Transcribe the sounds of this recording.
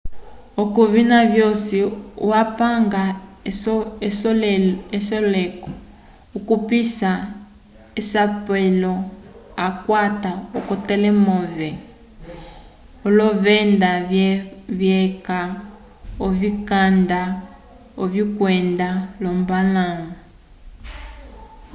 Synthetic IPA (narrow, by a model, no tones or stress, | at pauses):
okuβinaβjɔsiuapaŋɡa | es | esɔlɛkɔ | ukupisa | esapwɛlɔakwataɔkɔtɛlɛmɔvɛ | olɔvɛnda | βjɛka | ovikanda | oβikwɛndalɔmbalaŋu